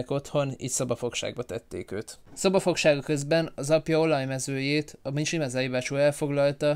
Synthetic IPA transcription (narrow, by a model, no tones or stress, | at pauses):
ko̞t̪ho̞nḭːt̪sɒbɒfo̞kʃa̰ːɡ̚bɒt̪ɛt̪ːḛːkøːt̪sɒbɒfo̞kʃaːɡɒkøzbɛnɒzɒpjɒo̞lɒjmɛzøːjeːt̪ɒminʃimazaːiːvaːt͡ʃoːɛlfo̞ɡlɒlt̪ɒ